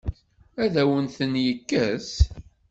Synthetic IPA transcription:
æðæwənθənjəkːæs

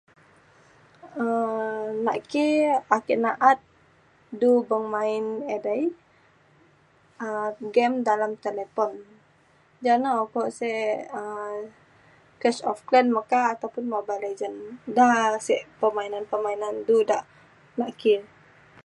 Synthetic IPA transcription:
ə | naʔkiakiʔnaʔat̪̚ | dubəŋmaɪnedaj | əɡɛmdalamt̪elepɔn | d͡ʒanakɔʔsɛə | kɛsɔfklɛnmakaːt̪awpʊnmabaled͡ʒəndasɛʔpəmainanpəmainandudaʔ | naʔki

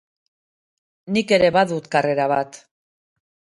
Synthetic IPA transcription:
nike̞ɾe̞βaðut̪kare̞ɾaβat̪

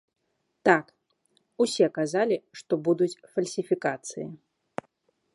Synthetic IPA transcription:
t̪ak | usʲɛkazalʲiʂt̪ɔbud̪ut͡sʲfɐlʲsʲifʲikat̪sɨ̰jḭ

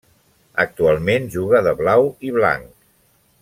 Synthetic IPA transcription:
ə̰k̚t̪ualˠmenʒuɣəðəβlawiβla̰ŋk

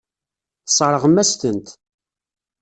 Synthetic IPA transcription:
θsˤɾˤəʁəmːæst̪ənt̪

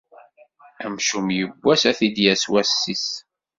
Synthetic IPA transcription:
æmʃumjəbːæsæθid̪jæswæsːis

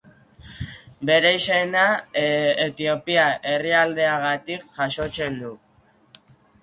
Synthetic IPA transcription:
be̞ɾejsena | et̪io̞piaʔe̞riald̪e̞aɣ̞at̪ikʝaso̞t͡se̞nd̪u

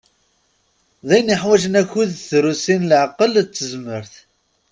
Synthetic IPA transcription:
ðæjniħwæʒənæçuðθɾusinlʕaqːəlt͡sːəzməɾθ

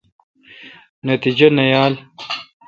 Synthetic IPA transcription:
nɐt̪id͡ʑɐnɐjaːl

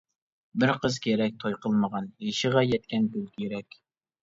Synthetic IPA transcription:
bɪɾqʰəzkʲʰeɾɛk̚ʲt̪ʰojqʰəlˠməʁɑneʃɪʁɑjɛt̪̚kʲɛnkølkʲʰjeɾɛkʲ

